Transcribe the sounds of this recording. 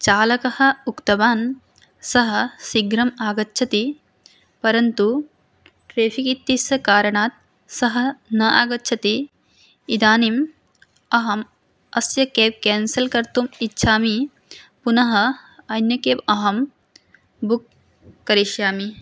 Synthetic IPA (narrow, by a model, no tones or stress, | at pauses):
t͡ʃaːlɐkɐhɐ̆ukt̪ɐbaːn | sɐɦɐ̆siɡɾɐmaːɡɐtːʃʰɐt̪i | pɐɾɐnt̪u | ʈɾeːfikit̪ːisjɐkaːɾɐɳaːt̪̚ | sɐɦɐ̆nɐʔa̰ːɡɐtːʃʰɐt̪iː | d̪aːnim | ɐɦɐm | ɐsjɐkeːw̚kɛːnsɐlkɐɾt̪umitːʃʰaːmi | punɐɦɐ̆ɐnjɐkeːʋɐɦɐm | bukː | ɐɾiʃjaːmi